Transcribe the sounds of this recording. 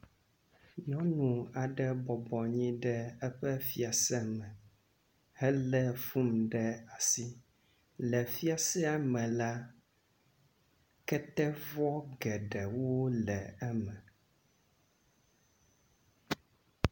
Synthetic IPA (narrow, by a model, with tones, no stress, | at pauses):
ɲɔ̃˦nũ˨a˨ɖɛ˦bɔ˨bɔ˨ɲĩ˦ɖɛ˦ɛ˦ɸɛ˦fi˦a˨sɛ˦mɛ̃˨ | hɛ˦lɛ˦fu˦mɖɛ˦a˨si˦ | lɛ˨fi˦a˨sɛ˦a˨mɛ̃˨la˦ | kɛ˦t̪ɛ˦vɔ˦ɡɛ˨ɖɛ˨wo˦lɛ˨ɛ˦mɛ̃˨